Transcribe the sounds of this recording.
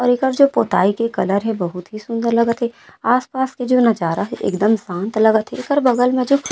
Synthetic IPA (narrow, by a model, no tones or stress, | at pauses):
ɔːɾekəɾd͡ʒoːpoːt̪a̰ːikekɐləɾɦɛ̃bɐɦʊt̪ɦisʊ̃nd̪əɾlɐɡət̪ɦeaːspaːsked͡ʒoːnɐd͡ʒaːɾaɦɛʔḛkd̪əmsãːnt̪lɐɡət̪ɦekəɾbɐɡəlmẽd͡ʒok